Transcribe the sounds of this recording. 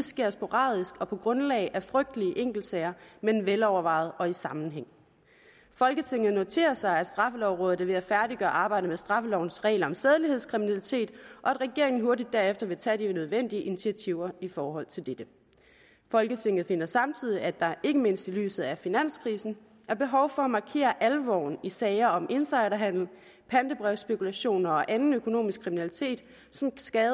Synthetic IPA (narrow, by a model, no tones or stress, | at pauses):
sɡ̥e̝ɐ̰sbo̝ʁɑ̰̈ːðˠisɡ̥ɒ̽pʰɒ̽ɡ̥ʁɔ̽nlɛ̰ɪʔæfʁœɡ̥̚d̥əliəʔeŋ̰ɡ̥l̩d̥sɛɪɐmenʋelɒʊɐʋɑ̈ɪð̞ˠɒ̽isɑ̈mn̩ɦeŋ̰ | fɒ̽lɡ̥ət͡sʰe̝ŋ̰ð̞̩ˠno̝t͡sʰe̝̰ːɐsɑ̈ɪæd̥sd̥ʁɑ̈fəlɒʊʁɔ̽ːð̩ˠʋe̝æfæɐdiɡ̥ɶːɐʔɑ̈ːb̥ɑ̈ɪ̰dəmesd̥ʁɑ̈fəlɒʊ̰n̩sʁɛ̰ːɪlɐɒ̽mseð̞ˠlihe̝ð̞̰ˠskʰʁiminælit͡sʰe̝̰ːd̥ʔɒ̽æd̥ʁɛɡ̥e̝ɐe̝ŋn̩ɦoɐdid̥ːæɐefd̥ɐʋe̝t͡sʰɛ̰ːd̥inøð̞ˠʋen̰d̥iəʔinit͡sʰiæt͡sʰiʊ̰ɐifɒːɦɒ̽l̰t͡sʰe̝ld̥ed̥ə | fɒ̽lɡ̥ət͡sʰe̝ŋ̰ð̩ˠfe̝n̰ɐsɑ̈mt͡sʰið̰ˠiæd̥ɑ̈ʔe̝ɡ̥əme̝n̰sd̥ily̰ːsð̞̩ˠæfinæn̰skʰʁiːsn̩ | æɐb̥e̝ɦɒʊfɒ̽ɒmɑ̈kʰe̝̰ːɐʔælʋɒ̰ʊn̩isɛɪɐɒ̽mʔe̝nsɑ̈ɪ̰ɾɐɦæn̰l̩ | pʰænd̥əb̥ʁɛʊsb̥e̝kʰulæɕo̝̰ːnɐɒ̽ʔænn̩økʰo̝no̝̰ːmisɡ̥kʰʁiminælit͡sʰe̝̰ːd̥ | sɒ̽msɡ̥ɛːðˠ